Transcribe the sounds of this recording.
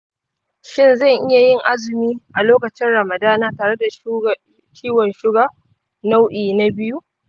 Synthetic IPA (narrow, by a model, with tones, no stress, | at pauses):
ʃɪ˦nzɐ˦˨ŋʔɪ˦ja˨jɪ˦˨ŋʔa˦zɪ˨miː˦ʔa˨loː˦kɐ˨t͡ʃɪ˦nɽɐ˨mɐ˨daː˦naː˦taː˨ɽe˦da˨ | kʲʰiː˦wɔ˨nʃɪ˦ɡa˦ | na˦wʔiː˨na˦bɪ˦ju˦ʔ